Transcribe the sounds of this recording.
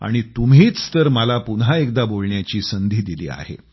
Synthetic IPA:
a̰ɽ̃it̪umɦiːt͡st̪əɾməlapunɦaek̚d̪abolɳjat͡ɕiːsənd̪ʱiːd̪ilḭːa̰ɦḛ

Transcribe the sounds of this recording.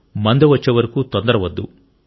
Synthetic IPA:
mɐnd̪eʋɐt͡ʃːeːʋɐɾɐkut̪ɔnd̪ɐɾɐʋɐd̪ːu

